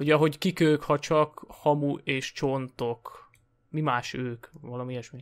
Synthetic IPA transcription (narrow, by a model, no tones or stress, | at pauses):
oɟɒɦo̞ɟkikøːkhɒt͡ʃɒkhɒmueːʃt͡ʃont̪ok | mimaːʃøːkvɒlɒmijɛʃmi